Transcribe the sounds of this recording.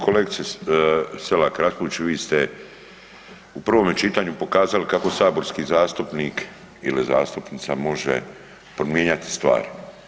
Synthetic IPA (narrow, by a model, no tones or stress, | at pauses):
koleɡ̪se | selakɾaspoʋit͡ʃuʋiːst̪e | upr̩ʋo̞met͡ʃit̪aɲupo̞kaːzalikako̞saːbo̞ɾskiːzaːst̪upniːk | iliza̰ːst̪upnit̪samo̞ʒḛ | pɾomjeɲat̪i̥st̪ʋa̰ːɾi